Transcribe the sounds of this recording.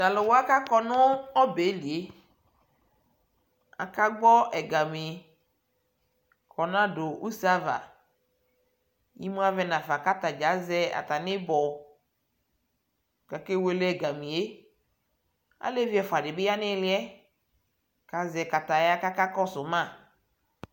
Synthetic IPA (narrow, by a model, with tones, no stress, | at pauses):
da˨lo˨wo˦a˦ka˦kɔ˦nʊ˦ɔ˦be˨˦li˨e˦ | a̰˨ka˦ɡ͡bɔ˦ɛ˨ɡa˨me˨ | kʰɔ˨nã˦do˨u˦sa˦va̰˨ | ji˦mũ˦a˦vɛ˦nã˨fa˨ka˦t̪a˨d͡ʒa˨˦zɛ˦a̰˨t̪a˨nɪ̃˦bɔ˨ | ka˨ke˦we˦lɛ˦˨ɡa˨mĩ˨e˦ | a̰˨le˦vi˦ɛ˨fʊ˨a˨dɪ˨bɪ˦ja˦nɪ̃˦lɪ˦ɛ˦ | ka˨zɛ˨ka˨t̪a˨ja˦ka˦ka˦kɔ˦sʊ˨mã˦˨